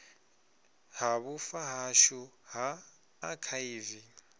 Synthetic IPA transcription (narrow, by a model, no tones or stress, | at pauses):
haβʊfaɦaʃuɦaː | kʰaiːvi